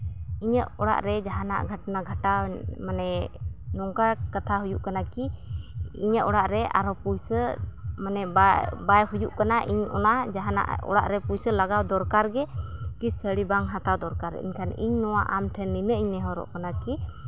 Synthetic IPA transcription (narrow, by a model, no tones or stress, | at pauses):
iɲəʔɔɽa̰ʔɾɛd͡ʒaɦana̰ʔɡʱəʈnaɡʱaʈamanɛnɔŋkakat̪ʰaɦujuʔkanaki | ḭɲəʔɔɽaʔɾɛa̰ɾɔpujsəmanɛbabajɦujuʔkanaʔiɲʔɔ̰nad͡ʒaɦana̰ʔɔ̰ɽa̰ʔɾɛpujsəlaɡawd̪ɔɾkaɾɡɛkisəɽibaŋɦãt̪awd̪ɔɾkaɾɛ̰ḭɲkʰanḭɲnɔwaʔamʈʰɛnːinəʔiɲnɛɦɔɾɔ̰ʔkanaki